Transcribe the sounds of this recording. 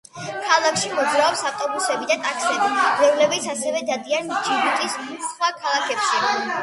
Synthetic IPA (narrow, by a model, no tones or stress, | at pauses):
kʰalˠakʰʃimɔd̪zɾaɔpsaft̪ʼɔbusɛbid̪at̪ʼakʰsɛbi̥zɛulɛbit̪sʰasɛvɛd̪ad̪iand͡ʒʰiɡut̪ʼisχwakʰalˠakʰɛpʃɛ